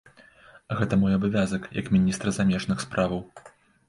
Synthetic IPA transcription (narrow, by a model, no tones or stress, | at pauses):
ɣɛt̪ɐmɔjɐbavʲazɐkjɐ̰kmʲinʲist̪ɾɐzamʲɛʐn̪ɨxspɾʔavɐw